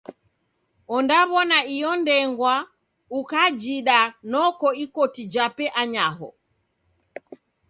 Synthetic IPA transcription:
ɔndaβɔnaijɔndɛŋɡwa | ukad͡ʒiɗanɔkɔikɔtid͡ʒapɛʔaɲaɦɔ

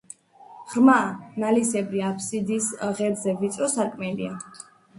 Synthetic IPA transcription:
ʁɾmanalisɛbɾiapʰsid̪isʁɛɾzɛvit̪sʼɔsakʰʼmɛlia

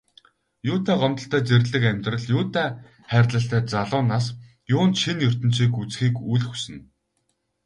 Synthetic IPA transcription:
jʊːt̪æːɢɔmt̪ɞ̆ɬt̪æːt͡serʲɮɘ̆kæmʲt̪rə̆ɮjʊːt̪æː | χæːrʲtɮə̆ɬt̪æːt͡saɮʊːnaːs | jʊːnt̪ʃinjɵr̥t̪ɵ̆n̥t͡ɕiːkut͡sxiːkujɮxusɘ̆n

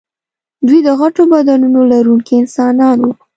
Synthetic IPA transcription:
d̪wijd̪əɣaʈobad̪ɑnunolaɾuŋkiɪnsɑnɑnwu

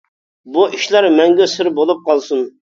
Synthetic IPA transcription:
buʔiʃlæɾmɛŋɡʲɛsɪɾbolˠup̚qʰɑlˠsun

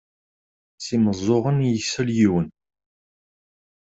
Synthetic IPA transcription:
siməzˤːoʁənjəsːæljiwən

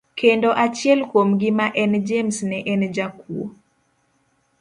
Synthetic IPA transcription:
kʰendoʔat͡ʃɪɛlkwomɡɪmaʔɛnd͡ʒemsnɛʔɛnd͡ʒakwo̰

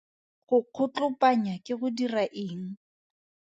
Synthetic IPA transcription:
χʊq͡χʰʊt͡ɬʊpʼaɲakɪɣʊdiraʔɪːŋ̩

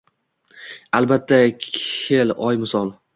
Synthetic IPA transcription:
albat̪ʰːakʲʰelɒjmɪsɒlˠ

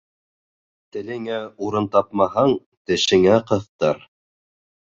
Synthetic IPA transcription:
t̪ɘ̆lɘ̆ŋæuɾɤnt̪ɑp̚mɑɦɑɴ | t̪ɘ̆ʃɘ̆ŋæqɤ̆θt̪ɤɾ

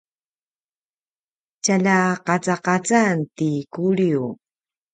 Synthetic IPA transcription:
t͡ʃaʎaqɑt͡saqɑt͡sant̪ikuɾju

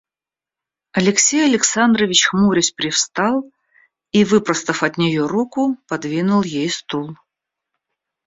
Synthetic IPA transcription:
ɐlʲɪksʲejɐlʲɪksand̪ɾəvʲɪt͡ɕxmuɾʲɪsʲpɾʲɪfst̪ɑlˠ | ivɨpɾəst̪əfɐt̪nʲɪjoɾukʊpɐd̪vʲinʊlˠjejst̪ulˠ

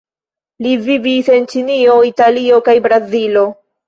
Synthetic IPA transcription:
livivise̞nt͡ʃinio̞italio̞kajbɾazilo̞

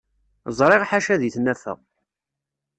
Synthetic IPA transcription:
zˤɾˤeʁħaʃæðiθnæfæ̰ʁ

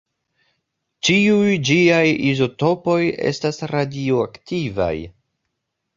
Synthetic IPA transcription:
t͡ʃiujd͡ʒiajizo̞to̞po̞je̞̰stasɾadioaktiva̰j

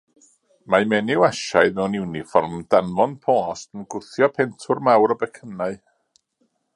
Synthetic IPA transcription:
majmɛnɪwaʃaɨðmɛwnɪwnifɔrmd̥anvɔnpʰɔːstənɡʊθjɔpʰɛntʰʊrmawɾəbɛkʰənaɨ

